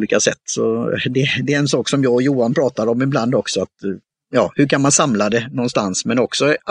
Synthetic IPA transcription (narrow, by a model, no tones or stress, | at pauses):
liːkasɛt̪ːsɔd̪ɛd̪ɛɾɛnsɑːksɔmjɑːɡɔjuːanpʰɾɑːt̪aɾɔmɪbland̪ɔksɔat̪ | jɑːhɵkʰanmansamlad̪ɛnɔnst̪ansmɛnɔksɔ